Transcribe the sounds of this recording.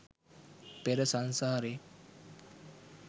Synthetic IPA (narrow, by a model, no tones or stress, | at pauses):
peɾəsansaːɾe